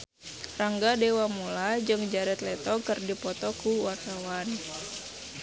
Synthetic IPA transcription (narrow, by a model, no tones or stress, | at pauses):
raŋɡadewamulad͡ʒɨŋd͡ʒaɾɛt̪lɛt̪ɔkɨrdipɔt̪ɔkuwart̪awan